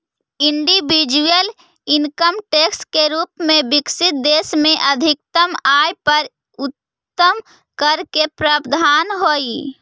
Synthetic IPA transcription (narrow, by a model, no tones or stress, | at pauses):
ɪɳɖibid͡ʒujəl | ɪnkəmʈeːkskeɾuːpmẽbɪksɪt̪̚d̪eːsmẽʔəd̪ʱɪk̚t̪əmaːjpəɾ | ʊt̪ː | əm | kəɾkepɾəbd̪ʱaːnɦoːi